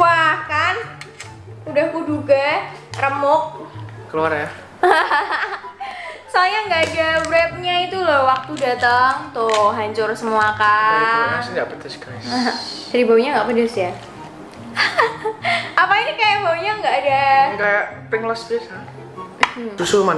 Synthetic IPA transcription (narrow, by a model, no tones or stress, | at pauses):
wahkan | udahkuduɡarəmʊk̚kəluarja | salaɲaŋɡaːdabɾɛp̚ɲait̪ulɔwak̚t̪udat̪aŋt̪oɦaɲt͡ʃʊrsəmuakaasɪdabət̪iskasɦd͡ʒadibawiɲaŋɡapadasja | apainikajaʔbawiɲaŋɡaːdakajaʔpɪŋlɔsdisa | usuman